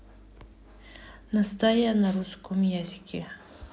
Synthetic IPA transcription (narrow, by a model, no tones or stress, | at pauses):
nast̪ajanaɾʊskʊmjazkʲɪ